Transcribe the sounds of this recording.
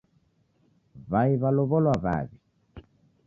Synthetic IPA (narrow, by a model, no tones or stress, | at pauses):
βaiβalɔβɔlwaβa̰βi